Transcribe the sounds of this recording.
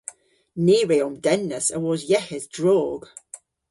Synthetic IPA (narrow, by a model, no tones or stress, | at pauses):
niːɹiomdɛnːəsə̰wɔzjɛhɪzdɹɔːɡ̥